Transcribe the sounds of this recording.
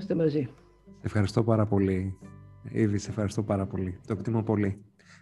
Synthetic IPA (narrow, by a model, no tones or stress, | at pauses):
st̪emɐzi | sefxɐɾist̪o̞pɐɾɐpo̞li | ḭðise̞fxɐɾist̪o̞pɐɾɐpo̞lit̪oekt̪imopo̞li